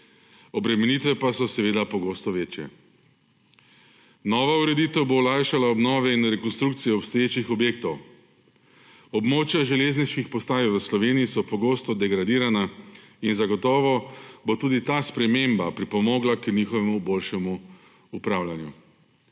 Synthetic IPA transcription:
ɔbɾɛmɛniːt̪ʋɛpasɔsɛʋeːd̪apɔɡoːst̪ɔʋeːt͡ʃjɛ̰ | nɔːʋauɾɛd̪it̪ɛwboːlajʃalaɔbnɔːʋɛinɾɛkɔnst̪ɾukt̪sijɛɔpst̪ɔjeːt͡ʃixɔbjeːk̚t̪ɔw | ɔbmoːt͡ʃjaʒɛlezniʃkixpɔst̪aːjiʋəslɔʋeniisɔpɔɡoːst̪ɔd̪ɛɡɾad̪iːɾana | inzaɡɔt̪ɔːʋɔbot̪uːd̪it̪aːspɾɛmembapɾipɔmɔːɡlaknixɔʋɛmubolʃɛmuː | pɾaːwlʲanjṵ

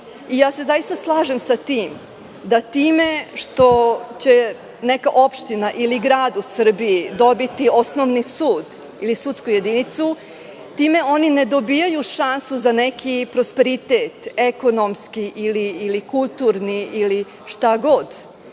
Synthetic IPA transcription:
ijaːse̞zajist̪aslˠaːʒemsat̪iːm | d̪at̪iːme̞ʂt̪o̞t͡ɕe | nɛkaʔo̞pʃt̪inaʔiliɡɾaːd̪usr̩biid̪obit̪io̞snoʋnisuːd̪ | ilisut̪skuje̞d̪init̪su | t̪iːme̞o̞nined̪o̞bijajuʃansuzanekʰipɾospe̞ɾit̪eːt̪eko̞nomskiʔiliːlikulˠt̪uɾniili | ʂt̪aɡo̞d̪

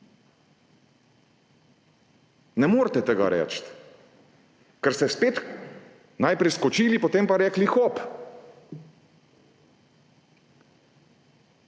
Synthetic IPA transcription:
nɛmoːɾt̪ɛt̪ɛɡa̰ɾʔɛ̰ːt͡ʃt̪ | kɛɾst̪ɛspeːt̪ | najpɾɛjskɔt͡ʃiːlipot̪empaɾɛːklixɔp

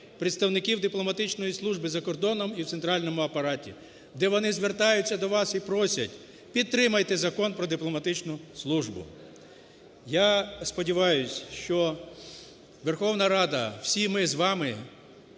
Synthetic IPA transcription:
pɾʲɪt̪st̪ɐwnɪkʲiwd̪ɪplˠɔmɐt̪ɪt͡ʃnɔjislˠuʒbɪzɐkɔrd̪ɔnɔmiwt̪sent̪ɾɑlʲnɔmʊɐpɐɾɑtʲḭ | d̪ɛʋɔnɪzʋert̪ɑjʊt͡sʲːɐd̪ɔʋɑsipɾɔsʲɐ̰tʲ | pʲid̪̚t̪ːɾɪmɐjt̪ɛzɐkɔnpɾɔd̪ɪplˠɔmɐt̪ɪt͡ʃnʊslˠuʒbʊ̰ | jɑspɔdʲiʋɑjʊsʲʃt͡ʃɔ | ʋerxɔwnɐɾɑd̪ɐw̥sʲimɪzʋɑmɪ

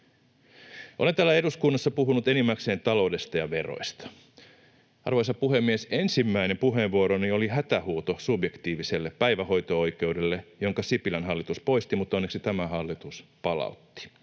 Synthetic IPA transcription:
ʔolet̪æːlːæe̞duskunːɑsːɑpuɦunut̪e̞nimːækse̞ːnt̪ɑlo̞wde̞st̪ɑjɑʋe̞ro̞̰jst̪ɑ̥ | ʔɑ̰rʋojsɑpuɦe̞mːiese̞nsimːæinempuɦe̞ːʋʋuoɾonio̞liɦæt̪æhuːt̪osubje̞kt̪iːʋiselːeppæjʋæho̞jt̪oo̞jk̟e̞udelːejo̞ŋkɑsipilænɦɑlːit̪uspo̞jst̪imut̪ːˑonːeksit̪æmæɦɑlːit̪uspɑlɑ̰ut̪ːi̥

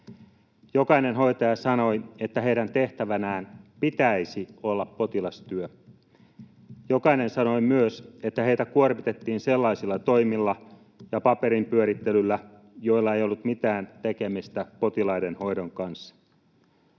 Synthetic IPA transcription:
jo̞kɑinenɦo̞it̪ɑjɑsɑno̞je̞t̪ːæɦejɾænt̪e̞ht̪æʋænæːnpit̪æisiolːɑpːo̞t̪ilɑst̪yø | jokɑine̞nsɑno̞imyøset̪ːæhe̞it̪ækuorʋit̪et̪ːiːnselːɑisilːɑt̪ojmilːɑ | jɑpɑpe̞ɾimpyøɾit̪ːelylːæ | jo̞ilːɑejolːut̪mit̪æːnt̪eke̞mist̪æpo̞t̪ilɑidenho̞jdoŋkɑnsːɑ̥

